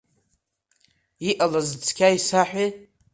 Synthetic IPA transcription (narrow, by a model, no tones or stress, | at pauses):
iʔalazt͡sʰʼkʲʰaisaħᶣʷe